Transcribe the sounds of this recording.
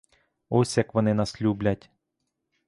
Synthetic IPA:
ɔsʲjɐkʋɔnɪnɐsʲlʲublʲɐtʲ

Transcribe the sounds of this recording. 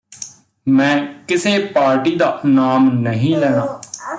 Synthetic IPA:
mɛ̃ːkɪseːpaːɾʈiːd̪aːnaːmnəɦĩːlɛːɽ̃aː

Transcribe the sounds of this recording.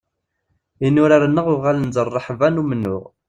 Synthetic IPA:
inːʊɾaɾənːəʁʊʁalənzərˤːəħvænumənːʊ̰ʁ

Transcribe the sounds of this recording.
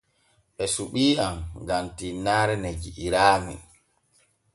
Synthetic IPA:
ɓɛsuɓiːamɡamtinaːɾɛnɛd͡ʒiʔːɾaːmḭ

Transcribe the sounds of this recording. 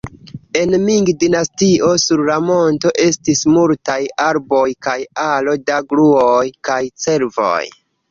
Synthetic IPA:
e̞nmiŋɡdinastio̞suɾlamo̞nto̞ʔe̞stismultajaɾbo̞jkajalo̞daɡluojkajt͡se̞ɾvo̰j

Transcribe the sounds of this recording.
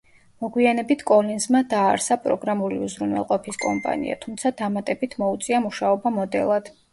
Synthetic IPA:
mɔɡwianɛbit̪ʰkʼɔlinzmad̪aːɾsapʼɾɔ̰ɡɾamuliuzɾunwɛ̰lˠqʼɔpʰiskʼɔmpʼa̰nḭa̰t̪ʰumt̪sʰad̪amat̪ʼɛbit̪ʰmɔut̪sʼiamuʃaɔbamɔd̪ɛ̰lˠad̪̥

